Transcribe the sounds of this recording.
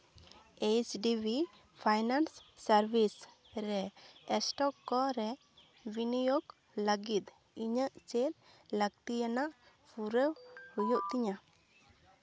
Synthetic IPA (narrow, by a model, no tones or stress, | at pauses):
et͡ʃɖibi | pʰajnansːəɾbis | ɾɛɛsʈɔkːɔɾɛ | binijoɡ | ləɡit̪̚ | iɲəʔt͡ʃɛʔ̪ | ləɡ̚t̪ijanaʔ | pʰuɾəwhujuʔt̪iɲa